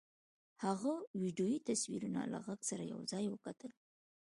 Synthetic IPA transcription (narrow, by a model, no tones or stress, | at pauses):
haɣawiɖjojit̪aswiɾuna̰la̰ɣaɡsaɾaja̰wzɑjwəkat̪əl